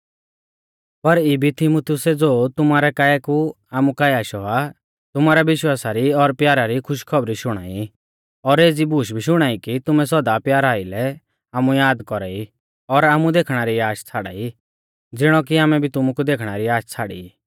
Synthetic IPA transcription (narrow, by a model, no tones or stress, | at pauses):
pɐɾibʱit̪ʰɪmut̪ʰɪjʊsɛd͡zoːt̪ʊmaɾɛkaːɛku | aːmukaːjaːʃɔa | t̪ʊmaːɾɛʋɪʃwaːsaɾiɔɾpjaːɾaɾikʰʊʃkʰɔbɾiʃʊɽ̃a̰ːi | ɔɾeːd͡zibuːʃ̬bʱiʃ̬ʊɽ̃aːikit̪ʊmɛsɔd̪apjaːɾaːilɛ | aːmujaːd̪kɔɾa̰ːi | ɔɾaːmũd̪eːkʰɽ̃aɾiaːʃt͡sʰaːɽa̰ːi | d͡zɪɽ̃ɔk̬iaːmɛbʱit̪ʊmukud̪eːkʰɽ̃aɾiaːʃt͡sʰaɽḭ